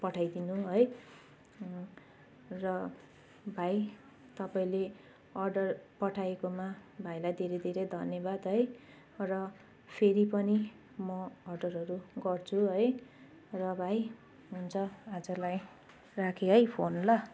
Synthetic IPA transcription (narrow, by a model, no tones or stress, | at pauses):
pʌʈʰajd̪inuɦʌj | rʌ | bʱaj | t̪ʌpaĩle | ʌrɖʌrpʌʈʰaekomabʱajlajd̪ʱeɾed̪ʱeɾʌjd̪ʱʌnjʌbad̪ɦʌj | rʌ | pʰeɾipʌni | mʌːrɖʌrʌɾuɡʌrt͡sʰuɦʌj | rʌbʱaj | ɦunt͡sʰʌad͡zʌlaj | rakʰeɦʌjpʰonlʌ